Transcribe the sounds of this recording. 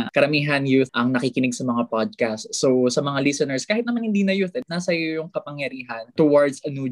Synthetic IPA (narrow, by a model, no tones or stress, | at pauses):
kɐɾɐmiːɦɐnjuθʔɐŋnɐkikɪnɪɡ̚sɐmɐŋapad̪̚kast̪sosɐmɐŋalɪsɛnɛɹskaːhɪt̪nɐmanhɪnd̪iːnɐjuθɛt̪̚naːsɐjojʊŋkɐpɐŋjɐɾiːɦɐnt̪ʊwaɹd̪sɐnu